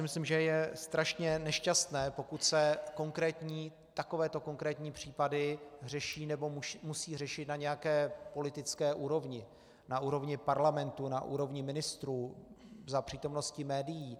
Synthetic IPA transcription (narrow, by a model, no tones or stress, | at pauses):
ɪmɪslimʒɛjɛst̪ɾaʃɲɛnɛʃcast̪nɛːpo̞kut̪sɛkoŋkɾɛːt̪ɲiː | t̪ako̞vɛːt̪o̞ko̞ŋkɾɛːt̪ɲiːpr̝̥iːpadɪr̝ɛʃiːnɛbo̞mumusiːr̝ɛʃɪt̪naɲɛjakɛːpo̞lɪt̪ɪt͡skɛːʔuːɾo̞vɲɪ | nauːɾo̞vɲɪpaɾlamɛnt̪unaʔṵːɾo̞vɲɪmɪnɪst̪ɾuːzapr̥iːt̪o̞mno̞scɪmɛːdɪjiː